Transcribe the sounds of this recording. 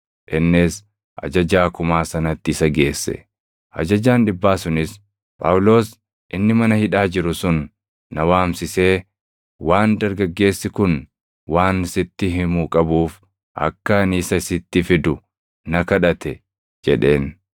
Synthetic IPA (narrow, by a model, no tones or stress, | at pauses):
ʔɪnːɪs | ʔɐ̰d͡ʒɐd͡ʒaːkʊmaːsɐnɐt̪ːɪɪsɐɡe̞ːsːɛ̰ | ʔɐ̰d͡ʒɐd͡ʒaːnᶑɪbːaːsʊnɪs | pʼɐwʊlo̞ːs | ʔɪnːɪmɐnɐhɪᶑaːd͡ʒɪɾʊsʊnː | ɐwaːmsɪse̞ː | waːnd̪ɐɾɡɐɡːe̞ːsːɪkʊn | waːnɪsɪt̪ːɪɦɪmuːkʼɐbuːf | ʔɐ̰kːɐnɪsɐɪsɪt̪ːɪfɪd̪ʊ | nɐkɐᶑɐt̪ʰɛ | d͡ʒɛᶑe̞ːn